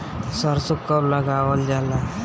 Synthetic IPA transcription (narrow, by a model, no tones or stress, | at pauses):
səɾsukːəbləɡaʋəld͡ʒala